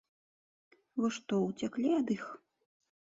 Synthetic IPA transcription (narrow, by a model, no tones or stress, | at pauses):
vɔʂt̪ɔwt͡sʲaklʲiɐd̪ix